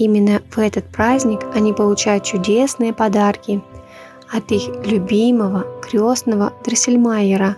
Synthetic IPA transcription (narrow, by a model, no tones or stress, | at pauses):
imʲɪnːəvɛt̪ət̪̚pɾazʲnʲɪkɐnʲipəlˠʊt͡ɕæjʊt̪̚t͡ɕʊdʲe̞snɨjəpɐd̪arkʲɪ | ɐt̪ixlʲʊbʲiməvəkɾʲosnəvəd̪ɾɨsʲɪlʲmajɪɾə